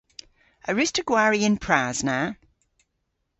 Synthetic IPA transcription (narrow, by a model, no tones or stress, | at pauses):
əɹɪstəɡ̥waːɹiɪ̃npʰɹ̥aːz̥na